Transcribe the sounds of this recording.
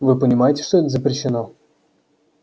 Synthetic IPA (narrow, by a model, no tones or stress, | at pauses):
vɨpənʲɪmajɪtʲɪ̥ʂt̪ɔt̪zəpɾʲɪɕːɪnɔ